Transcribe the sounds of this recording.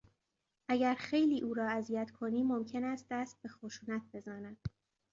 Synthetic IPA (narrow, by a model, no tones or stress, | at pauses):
ʔæɟæɾxejliːʔuːɾɒːæzijæt̪ʰkʰo̞niːmomcʰe̞næːst̪̚d̪æst̪̚be̞xoʃuːnæt̪̚ʰbe̞zɒːnæd̪̥